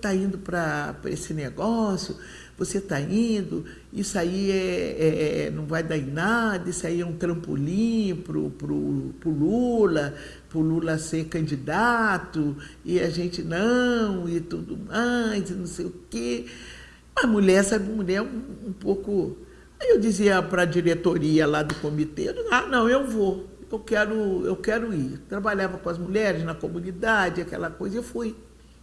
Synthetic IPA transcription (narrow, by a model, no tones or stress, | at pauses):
t̪aĩnd̪ʊpɾɐpɾɐ̰esɪneɡɔsjʊ | voset̪aĩnd̪ʊ | isʊaiɛɛɛnɐ̃w̃vajd̪aĩnad̪ɐɪsaiũt̪ɾɐ̃mpo̰lĩpɾʊ̰pɾʊpɾʊlulɐ | pʊlulɐseɾkɐ̃nd͡ʒid̪at̪ʊɪɐʒẽnt͡ʃɪnɐ̃w̃ɪt̪ud̪ʊmajzɪnɐ̃w̃sejʊke | ɐmuʎɛɾsɛbɪ̃muʎɛɾũũpowkʊ | ewd͡ʒiziɐpɾɐd͡ʒiɾet̪oɾiɐlad̪ʊkõmit̪eeizanɐ̃w̃ew̃voewkɛɾʊḛwkɛɾʊit̪ɾabaʎavɐkõɐzmuʎɛɾɪznɐkomũnid̪ad͡ʒɪakɛ̰lɐkojzɐewfuj